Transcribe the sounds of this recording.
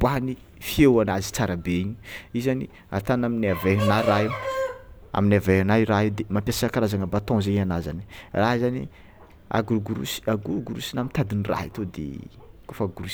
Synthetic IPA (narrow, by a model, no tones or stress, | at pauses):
bani | fiewanazi̥t͡saɾabeɲuizani | a̰t̪anaminaveɦanaɾaɦew | a̰minaveɦanaɾaɦed̪emampʲaseakaɾazaŋəbat̪ɔ̃zeɲanaza̰niraɦzanḭ | a̰ɡuuɡuɾṵsi̥aɡuɾuɡuɾusinamint̪ad̪inira̰ɦit̪od̪ḛkofaɡuɾus